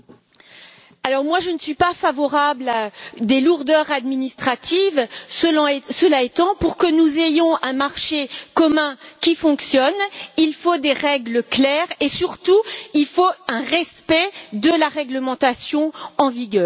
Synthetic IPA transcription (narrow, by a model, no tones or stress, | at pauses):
alɔʁmwaʒənəsɥipafavɔʁablad̪eluʁd̪œʁad̪minist̪χat̪ivsəl̃səlaɛt̪ɑ̃puʁkənuzejɔ̃ɛ̃maʁʃekɔmɛ̃kʲifɔ̃ksjɔnilfod̪eʁɛɡləklɛʁesyʁt̪uilfoɛ̃ʁɛspɛd̪əlaʁɛɡləmɑ̃t̪asjɔ̃ɑ̃viɡʲœːʁ